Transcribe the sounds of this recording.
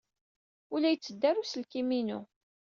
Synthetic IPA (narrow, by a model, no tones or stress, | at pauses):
ʊlæjət͡sːəd̪ːæɾusəlkiminu